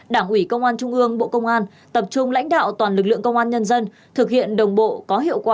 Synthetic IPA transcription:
ɗaː˧˩ŋʔwi˧˩kə˧wŋ͡mʔaː˧nt͡ɕʊ˧ŋ͡mʔɨ˧əŋɓo̰˧˨kə˧wŋ͡mʔaː˧n | t̪ə˨˩p̚t͡ɕʊ˧ŋ͡mla̰˧˥jŋ̟ɗa̰ː˧˨wt̪waː˨˩nlɨ˨˩k̚lɨ̰˧˨əŋkə˧wŋ͡mʔaː˧nɲə˧nzə˧n | t̪ʰɨ˨˩k̚hḭ˧˨ənɗə˨˩wŋ͡mɓo̰˧˨kɔ˨˦ɦḭ˧˨əwkwaː˨˩

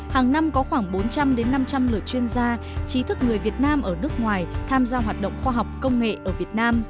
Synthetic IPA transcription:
haː˨˩ŋna˧mkɔ˨˦xwaː˧˩ŋɓo˨˦nt͡ɕa˧mɗe˨˦nːa˧mt͡ɕa˧mlɨ̰˨˩ət͡ɕwi˧ənzaː˧ | t͡ɕi˨˦t̪ʰɨ˦˥k̚ŋɨ˨˩əjvi˨˩ət̚naː˧mʔəː˧˩nɨ˦˥ək̚ŋwaː˨˩jt̪ʰaː˧mzaː˧ɦwaː˨˩t̚ɗə̰˧˨wŋ͡mxwaː˧ɦa˨˩wk͡p̚kə˧wŋ͡mŋḛ˧˨ʔəː˧˩vi˨˩ət̚naː˧m

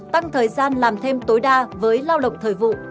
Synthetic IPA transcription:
t̪a˧ŋt̪ʰəː˨˩jzaː˧nlaː˨˩mt̪ʰe˧mt̪o˨˦jɗaː˧vəː˨˦jlaː˧wɗə̰˨˩wk͡p̚t̪ʰəː˨˩jvṵ˧˨

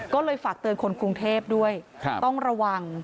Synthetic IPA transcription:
kɔː˥˩lɤː˧jfaː˨˩k̚t̪ɤː˧nkʰo˧nkuː˧ŋt̪ʰeː˥˩p̚du˥˩əjʰt̪ɔ˥˩ŋɾa˧wa˧ŋ

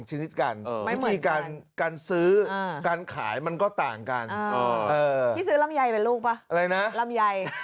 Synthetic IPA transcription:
ŋt͡ɕʰa˧ni˦˥t̪̚ka˧nʰ˥˦˩iː˧˩kaː˧nkaː˧nsɯː˦˥˧kaː˧nkʰa̰ː˩˦jma˧nkɔː˥˩t̪aː˨˩ŋka̰˧nː˧˩ʔɤː˧iː˥˩sɯː˦˥la˦˧˩mja˧jpe˧nluː˥˩k̚pa˦˥ʔa˧ɾa˧jna˦˥ʔla˧˥mja˧j

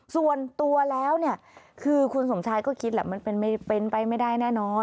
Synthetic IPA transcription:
su˨˩ənt̪u˧ɐlɛː˦˥wni˥˩ɐ | kʰɯː˧kʰu˧nso˩˦mt͡ɕʰaː˧jkɔː˥˩kʰi˦t̪̚lɛː˧˩ma˧npe˧nma˥˩jpe˧npa˧jma˥˩jda˥˩jnɛː˥˩nɔː˧n

